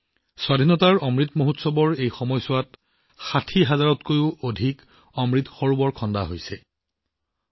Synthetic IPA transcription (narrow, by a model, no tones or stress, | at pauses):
swadʱinɔtaɹɔmɹitmoɦutsɔbɔɹejxɔmɔjsʊwat | xatʰiɦazaɹɔtkojʊodʱik | ɔmɹitxɔɹubɔɹkʰɔndaɦojsɛ